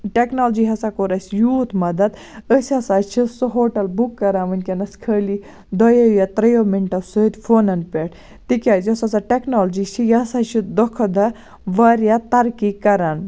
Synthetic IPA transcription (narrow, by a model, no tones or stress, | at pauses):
ʈeknoːld͡ʒiɦɐsakoɾɐsʲjuːt̪ʰmɐd̪ɐd̪ | əsʲɐsaːt͡ʃʰisɔɦoːʈɐlbukːɐɾaːʋɐnʲkʲenɐskʰəːli | d̪ɔjɐjat̪ɾɐjomiɳʈɐsoit̪ʲfʰoːnɐnpʲeːʈʰ | t̪ikʲaːzɐsɐsaʈeknoːld͡ʒit͡ʃʰijɐsat͡ʃʰid̪ɔkʰɐd̪ɐ | ʋɐɾjat̪ɐɾkikɐɾaːn